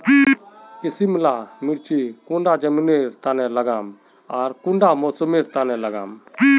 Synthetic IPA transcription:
kisimlamɪɽt͡ʃʰikũɳɖad͡ʒɐmneɾt̪anɛlɐɡam | aɾkũɳɖamɔːsəmeɾt̪anɛlɐɡa̰m

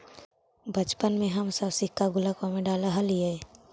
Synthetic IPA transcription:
bət͡ʃpənmẽɦəmsəbsɪkːaɡʊləkamẽɖaːlaɦəliɛ

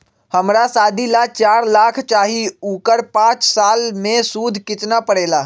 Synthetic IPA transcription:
həmɾasaːd̪ʱilat͡ʃaːɾlaːkʰt͡ʃaːɦiukəɾpãːt͡ʃsaːlmẽsuːd̪ʱkɪt͡ʃnapəɽeːla

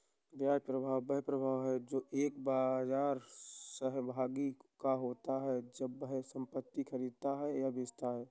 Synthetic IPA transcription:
ɾjaːjpɾəbʱaːwbəɦpɾəbʱaːʋɦɛd͡ʒoːʔeːkbazaːɾsəɦbʱaːɡikaɦoːt̪aɦɛd͡ʒəbːəɦsə̃mpət̪ːikʰəɾiːd̪̚t̪aɦɛjabɪd͡ʒt̪aɦɛː

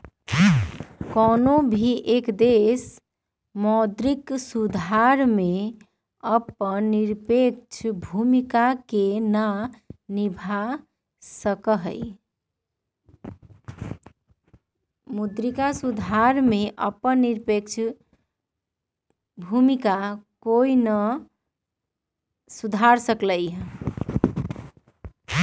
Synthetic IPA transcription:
kɔnobʱiʔekd̪es | mɔd̪ɾiksud̪ʱaɾme | əpənːiɾpek̚t͡ʃʰbʱumikakenanibʱa | səkəɦə̰j | mud̪ɾikasud̪ʱaɾmeʔəpənːiɾpekt͡ʃʰ | bʱumikakoinə | sud̪ʱaɾsəkləj

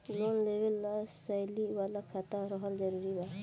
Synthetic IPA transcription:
lɔnlebɛlːasajliʔbalakʰat̪aɾɔɦɔld͡ʒɔɾuɾiba

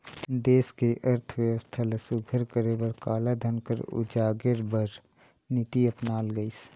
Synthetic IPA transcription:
d̪eːskeʔəɾt̪ʰwjəʋəst̪ʰaləsuɡʱəɾkəɾebəɾkaːlad̪ʱənkə̰ɾʊ̰d͡ʒaːɡeɾbəɾ | nit̪iəpnaːlɡəis

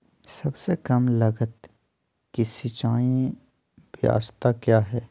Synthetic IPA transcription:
sɐbsekɐmlɐɡət̪ | kisit͡ʃaːjẽ | bja̰ːst̪akjaːɦɛː

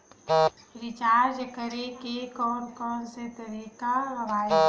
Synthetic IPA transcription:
ɾɪt͡ʃaːɾd͡ʒkəɾekekɔːnkɔːnset̪əɾiːkaɾəʋaː

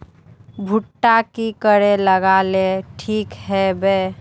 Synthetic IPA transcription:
bʱuʈːakikəɾeləɡaleʈʰiːkɦɛbe

